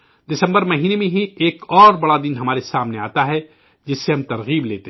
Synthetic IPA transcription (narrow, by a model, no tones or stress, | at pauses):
d̪ɪsɐ̃mbəɾmɐɦiːnemẽɦieːkɔːɾbɐɽad̪ɪnɦɐmaːɾesaːmneaːt̪aɦɛ | d͡ʒɪsːeɦɐmt̪ɐɾɣiːbleːt̪e